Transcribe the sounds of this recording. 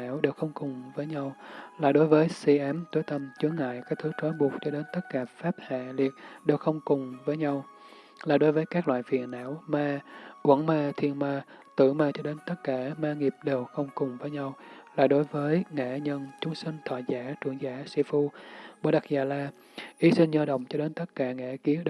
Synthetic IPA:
aː˧˩˨wɗe˨˩wxə˧wŋ͡mkʊ˨˩ŋ͡mvəː˨˦jɲa˧wlaː˨˩ɗo˨˦jvəː˨˦jsi˧ʔaː˨˦mt̪o˨˦jt̪ə˧mt͡ɕɨ˨˦əŋa̰ː˧˨jkaː˦˥k̚t̪ʰɨ˨˦t͡ɕ̪wɔː˨˦ɓu˨˩ək̚t͡ɕɔ˧ɗe˨˦nt̪ə˦˥t̚kaː˧˩faː˦˥p̚ha̰ː˧˨li˨˩ət̚ɗe˨˩wxə˧wŋ͡mkʊ˨˩ŋ͡mvəː˨˦jɲa˧w | laː˨˩ɗo˨˦jvəː˨˦jkaː˦˥k̚lwa̰ː˧˨jfḭ˨˩ənʔa̰ː˧˥˨wmaː˧kwə̰˧˥˩nmaː˧t̪ʰi˧ənmaː˧ | t̪ɨ̰˧˩maː˧t͡ɕɔ˧ɗe˨˦nt̪ə˦˥t̚kaː˧˩maː˧ŋi˨˩əp̚ɗe˨˩wxə˧wŋ͡mkʊ˨˩ŋ͡mvəː˨˦jɲa˧w | laː˨˩ɗo˨˦jvəː˨˦jŋa̰˧˩ɲə˧nt͡ɕʊ˨˦ŋ͡msï˧ŋ̟t̪ʰwa̰˧˨jzaː˧˥t͡ɕwḭ˧˩ənzaː˧˩si˧fu˧ɓo˧˩ɗa˨˩k̚zaː˨˩laː˧ | ʔi˨˦sï˧ŋɲəː˧ɗə̰˧˨wŋ͡mt͡ɕɔ˧ɗe˨˦nt̪ə˦˥t̚kaː˧˩ŋɛ̰˧˩ki˨˦əɗ

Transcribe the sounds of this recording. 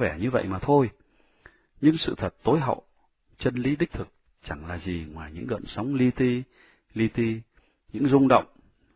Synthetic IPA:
vɛ˧˩ɲɨ˧və̰˧˨jmaː˨˩t̪ʰo˧j | ɲɨ˧ŋsɨ̰˧˨t̪ʰə˨˩t̚t̪o˨˦jɦa̰˧˨wʔ | t͡ɕə˧nli˨˦ɗï˦˥k̟̚t̪ʰɨ˨˩k̚ | t͡ɕa˧˩ŋlaː˨˩zi˨˩ŋwaː˨˩jɲɨ̰˧˥ŋɣə̰˧˨nsa˨˦wŋ͡mli˧t̪i˧ | li˧t̪i˧ | ɲɨ̰˧˥ŋzʊ˧ŋ͡mɗə̰˧˨wŋ͡m

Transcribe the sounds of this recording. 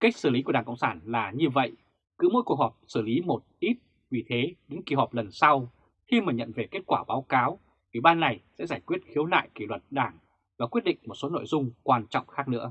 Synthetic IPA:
ka˦˥k̟̚sɨ˧˩li˨˦ku˧˩əɗaː˧˩ŋkə̰˧˨ŋ͡msaː˧˩nlaː˨˩ɲɨ˧və̰˧˨j | kɨ̰˧˥mo̰˧˥jkwək̚hɔ˨˩p̚sɨ˧˩li˨˦mo˨˩t̚ʔi˦˥t̚ | vi˨˩t̪ʰe˨˦ɗḭ˧˥ŋki˨˩hɔː˨˩p̚lə˨˩nsa˧w | xi˧məː˨˩ɲə̰˧˨nve˨˩ke˦˥t̚kwaː˧˩ɓaː˨˦wkaː˨˦w | ʔwi˧˩ɓaː˧nːa˨˩jsɛ̰˧˥zaː˧˩jkwi˦˥ət̚xi˨˦wla̰ː˧˨jki˧˩lwə˨˩t̚ɗaː˧˩ŋ | vaː˨˩kwi˦˥ət̚ɗḭ̈˧˨ŋ̟mo˨˩t̚so˨˦no̰˧˨jzʊ˧ŋ͡mkwaː˧nt͡ɕɔ̰˧˨wŋ͡mxaː˦˥k̚nɨ̰˧˥ə

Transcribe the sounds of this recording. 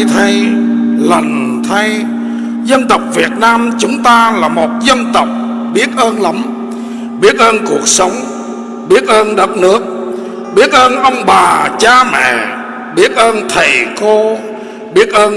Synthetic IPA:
t̪ʰa˧jlə˨˩ŋ | t̪ʰa˧j | zə˧nt̪ə˨˩wk͡p̚vi˨˩ət̚naː˧mt͡ɕʊ˨˦ŋ͡mt̪aː˧laː˨˩mo˨˩t̚zə˧nt̪ə˨˩wk͡p̚ | ɓi˦˥ət̚ʔəː˧nlə˨˦m | ɓi˦˥ət̚ʔəː˧nku˨˩ək̚sə˨˦wŋ͡m | ɓi˦˥ət̚ʔəː˧nɗə˦˥t̚nɨ˦˥ək̚ | ɓi˦˥ət̚ʔəː˧nʔə˧wŋ͡mɓaː˨˩t͡ɕaː˧mɛ̰˧˨ | ɓi˦˥ət̚ʔəː˧nt̪ʰe˨˩ko˧ | ɓi˦˥ət̚ʔəː˧n

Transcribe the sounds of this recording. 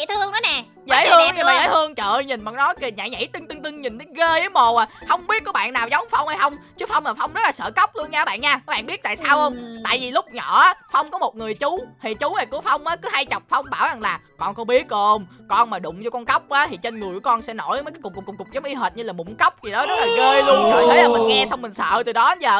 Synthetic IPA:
ḭ˧˨t̪ʰɨ˧əŋnɔ˨˦nɛ˨˩ | zḛ˧˥˦ɨ˧ə˧˨ŋɲ˧aː˨˩ḛː˧˨˦t̪ʰɨ˧əŋt͡ɕəː˧˨ɲi˨˩nɓaː˨˩nɔ˨˦jki˨˩ɲa̰ː˧˨˩ɲa̰˧˥jt̪ɨ˧ŋt̪ɨ˧ŋt̪ɨ˧ŋɲi˨˩nɗɣe˧ə˨˦mo˨˩a˨˩hə˧wŋ͡mɓi˦˥ət̚kɔ˨˧˦ɓa̰ː˧˨nːaː˨˩wzə˨˦wŋ͡mfa˧wŋ͡mha˧˦jxə˧wŋ͡mt͡ɕɨ˨˦fa˧wŋ͡mmaː˨˩fa˧wŋ͡mzə˦˥t̚laː˨˩sə̰ː˧˩kə˦˥wk͡p̚lu˧ənɲaː˧˨˦ɓa̰ː˧˨nɲaː˧aː˦ɓa̰ː˧˨nɓi˦˥t̚t̪a̰ː˧˨saː˧whə˧wŋ͡mt̪a̰ː˧˨jvi˨˩lʊ˦˥k͡p̚ɲɔ̰˧˩ʔaː˨˦fa˧wŋ͡mkɔ˨˦mo˨˩t̚ŋɨ˨˩əjt͡ɕʊ˨˦hə˨˩t͡ɕʊ˨˦wna˨˩ku˨˧˦əfa˧wŋ͡mʔaː˨˦kɨ˨˦ha˧jt͡ɕa˨˩wk͡p̚fa˧wŋ͡mɓaː˧˩wza˨˩ŋlaː˨˩kɔ˧nkɔ˧˦ɓi˦˥ət̚ʔo˧m | kɔ˧nmaː˨˩ɗʊ̰˧˨ŋ͡mzɔ˧kɔ˧nkə˦˥wk͡p̚ʔaː˨˦t̪ʰi˨˩t͡ɕe˧nŋɨ˨˩əjkɔ˧nsɛ̰˧˥no˧˩jmə˨˦kʊ˨˩ŋ͡mkkʊ˨˩ŋ͡mkʊ˨˩k͡p̚zə˨˦ŋ͡mʔi˧ɦəː˨˩t̚ɲɨ˧laː˨˩ɓʊ̰˧˩ŋ͡mkə˦˥wk͡p̚zi˨˩ɗɔ˨˦zə˦˥t̚laː˨˩ɣeː˧lu˧ənzʰo˨˩t̪ʰe˨˦laː˨˩mï˨˩nŋɛ˧sa˧wŋ͡mï˨˩ŋ̟sə̰ː˧˨t̪ɨ˨˩ɗɔ˨˦˨zəː˨˩

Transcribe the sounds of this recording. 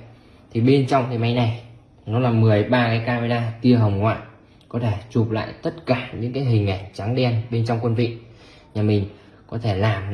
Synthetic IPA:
t̪ʰi˨˩ɓe˧nt͡ɕɔ˧wŋ͡mkaː˨˦jma˨˦jna˨˩j | nɔ˨˦laː˨˩mɨ˨˩əjɓaː˧kaː˨˦jkaː˧m˧ɗaː˧t̪i˧əɦə˨˩wŋ͡mŋwa̰ː˧˨ | kɔ˨˦t̪ʰe˧˩t͡ɕu˨˩p̚la̰ː˧˨jt̪ə˦˥t̚kaː˧˩ɲɨ̰˧˥ŋkaː˨˦jɦï˨˩ŋ̟ʔa˧˩ŋ̟t͡ɕa˨˦ŋɗɛ˧nɓe˧nt͡ɕɔ˧wŋ͡mkwə˧nvḭ˧˨ | ɲaː˨˩mï˨˩ŋ̟ | kɔ˨˦t̪ʰe˧˩laː˨˩m

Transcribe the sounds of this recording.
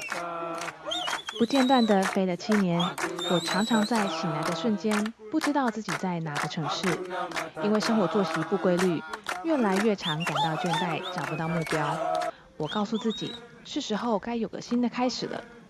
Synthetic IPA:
pu˧˥t͡ɕjɛ˥˧nt̪̬wa˥˩nd̪ə˩fe˥ɪlə˧t͡ɕʰi˥njɛ˧˥nwɔ˨˩ʈ͡ʂʰɑ˧˥ŋʈ͡ʂʰɑ˧˥ŋt͡sa˥˩ɪt͡ɕʰi˨˩la˧˥ɪd̪ə˧ʂwə˥˩nt͡ɕjɛ˥npu˥˩ʈ͡ʂɻ̩˥t̪ɑ˥˧ʊt͡sɹ̩˥˩t͡ɕi˨˩t͡sa˥˩ɪna˨˧˥ɡə˧ʈ͡ʂʰɤ˧˥ŋʂɻ̩˥˩i˥nwe˥˩ɪʂɤ˥ŋxwɔ˧˥t͡swɔ˥˩ɕi˧˥pu˥˩kwe˥ɪly˥˩ɥɛ˥˩la˧˥ɪɥɛ˥˩ʈ͡ʂʰɑ˧˥ŋka˨˩nt̪ɑ˥˧ʊt͡ɕɥɛ˥˧nt̪a˥˩ɪʈ͡ʂɑ˨˩pu˧˥t̪ɑ˥˧ʊmu˥˩pjɑ˥ʊ | wɔ˨˩kɑ˥˧ʊsu˥˧t͡sɹ̩˥˩t͡ɕḭ˨˩˦ | t͡ɕ̩ʰ˥˩ʂɻ̩˧˥xo˥˩ʊka˥ɪjo˨˩ʊɡə̰˦ɕi˥nd̪ə˨kʰa˥ɪʂɻ̩˨˩lʔə̰˦

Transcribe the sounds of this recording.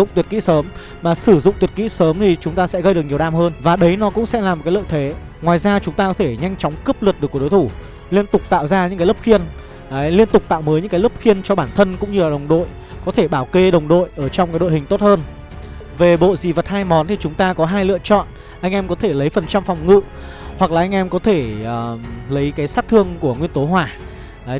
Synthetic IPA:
ʊ̰˧˨ŋ͡mt̪wət̚kḭ˧˥səː˨˦m | maː˨˩sɨ˧˩zʊ̰˧˨ŋ͡mt̪wi˨˩t̚kḭ˧˥səː˨˦mt̪ʰi˨˩t͡ɕʊ˨˦ŋ͡mt̪aː˧sɛ̰˧˥ɣə˧jɨ˨˩ək̚ɲi˨˩ə˩wɗaː˧mhəː˧nvaː˨˩ɗə˨˦jnɔ˨˦kʊ̰˧˥ŋ͡msɛ̰˧˥laː˨˩m̚˨˩kaː˨˦lɨ̰˧˨t̪ʰe˨˦ | ŋwaː˨˩jzaː˧t͡ɕʊ˨˦ŋ͡mt̪aː˧kɔ˨˦t̪ʰe˧˩ɲa˧jŋt͡ɕɔ˨˦wŋ͡mkɨ˦˥p̚lɨ˨˩t̚ɗɨ˨˩kːɗo˨˦jt̪ʰu˧˩ | li˧ənt̪ʊ˨˩k͡p̚t̪a̰ː˧˨wzaː˧ɲɨ̰˧˥ŋkːaː˨˦lə˦˥p̚xi˧ənː˨˦ | li˧ənt̪ʊ˨˩k͡p̚t̪a̰ː˧˨wməː˨˦jɲɨ̰˧˥kːlə˦˥p̚xi˧ənt͡ɕɔ˧ɓaː˧˩nt̪ʰə˧nkʊ̰˧˥ŋ͡mɲɨ˧laː˨˩ɗə˨˩wŋ͡mɗo̰˧˨j | kɔ˨˦t̪ʰe˧˩ɓaː˧˩wke˧ɗə˨˩wŋ͡mɗo̰˧˨jʔəː˧˩t͡ɕɔ˧wŋ͡mka˨˦jɗo̰˧˨hï˨˩ŋ̟t̪o˦˥t̚həː˧n | ve˨˩ɓo̰˧˨zi˨˩və˨˩t̚haː˧jmɔ˨˦nt̪ʰi˨˩t͡ɕʊ˨˦ŋ͡mt̪aː˧kɔ˨˦ɦaː˧jlɨ̰˧˨ət͡ɕɔ̰˧˨n | ʔa˧jŋ̟ʔɛ˧mkɔ˨˦t̪ʰe˧˩lə˨˦jfə˨˩nt͡ɕa˧mfɔ˨˩wŋ͡mŋɨ̰˧˨ | hwa˨˩k̚laː˨˩ʔa˧jŋ̟ʔɛ˧mkɔ˨˦t̪ʰe˧˩ʔːlə˨˦jkaː˨˦jsaː˦˥t̪ʰɨ˧əŋku˧˩əŋwi˧ənt̪o˨˦ɦwaː˧˩˨

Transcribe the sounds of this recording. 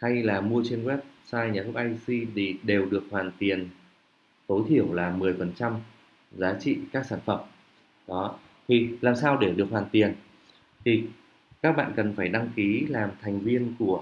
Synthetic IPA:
ha˧jlaː˨˩mu˧ət͡ɕe˧nkwɛ˦˥p̚saː˧jɲaː˨˩t̪ʰʊ˦˥k̚ʔa˧jsi˧ɗ̪i˨˩ɗe˨˩wɗɨ˨˩ək̚hwaː˨˩nt̪i˨˩ən | t̪o˨˦jt̪ʰi˧˩əwlaː˨˩mɨ˨˩əjfə˨˩nt͡ɕa˧m | zaː˨˦t͡ɕḭ˧˨kaː˦˥k̚saː˧˩nfə˧˩m | ɗɔ˨˦ | t̪ʰi˨˩laː˨˩msaː˧wɗe˧˩ɗɨ˨˩ək̚hwaː˨˩nt̪i˨˩ən | t̪ʰi˨˩ | kaː˦˥k̚ɓa̰ː˧˨nkə˨˩nfaː˧˩jɗa˧ŋki˨˦laː˨˩mt̪ʰɛ˨˩jŋ̟vi˧ənku˧˩ə

